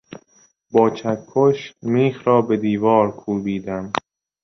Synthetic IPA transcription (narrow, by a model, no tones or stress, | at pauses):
bɒːt͡ʃʰækʰːoʃmiːxɾɒːbe̞d̪iːvɒːɾkʰuːbiːd̪æm